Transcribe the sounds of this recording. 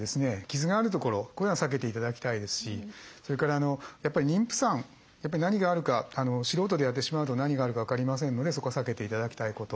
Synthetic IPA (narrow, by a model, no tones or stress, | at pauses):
d̪e̞sɨne̞kʲizɨɡaːɾɯ̟t̪o̞ko̞ɾo̞koãsak̬e̞t̪e̞it̪ad̪akʲi̥t̪aid̪e̞sɨ̥ɕiso̞ɾe̞kaɾaːno̞japːaɾʲiɲʲĩmpɯ̟̥sãŋ | japːaɾinaɲ̟iɡaːɾɯ̟kaano̞ɕiɾo̞ːt̪o̞d̪ejat̪ːe̞ɕimaɯ̟t̪o̞naɲ̟iɡaːɾɯ̟kaβakaɾʲimas̬ẽ̞nːo̞d̪e̞so̞ko̞sake̞t̪e̞it̪ad̪akʲi̥t̪aiko̞t̪o̞